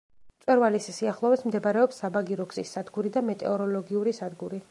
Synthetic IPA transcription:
t̪sʼwɛɾvalissiaχlˠɔvɛsmd̪ɛbɾɛɔpsːabaɡiɾɔɡsḭsːad̪ɡuɾid̪amɛt̪ʼɛ̰ɔɾɔlɔɡiuɾisad̪ɡuɾi

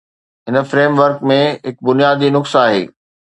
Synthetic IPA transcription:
ɦɪnə̆fɾeːmʋəɾkmẽɦɪk̚bʊnijaːd̪inʊksaaːɦḛː

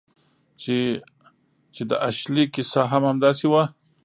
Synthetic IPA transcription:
t͡ʃe | t͡ʃed̪əʔaʃlikɪsaɦamhamd̪ɑsewa

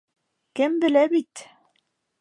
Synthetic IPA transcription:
kɘmbɘ̆læbit̪

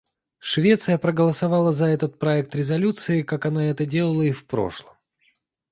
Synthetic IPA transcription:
ʂvʲe̞t̪sɨjəpɾəɡəlˠəsɐvɑlˠəzɐɛt̪ət̪̚pɾɐɛk̚t̪ɾʲɪzɐlʲut̪sɨɪkakɐnaɛt̪ədʲe̞lˠəlˠəifpɾo̞̰ʂlˠəm

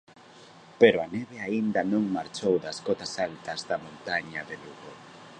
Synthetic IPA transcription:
peɾoaneβeaind̪ɐnõŋmaɾt͡ʃowðɐskɔt̪ɐsalt̪ɐzðɐmõnt̪aɲaðeluɣo

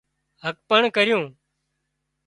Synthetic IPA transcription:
ɦək̚pəɳkəɾɪjũː

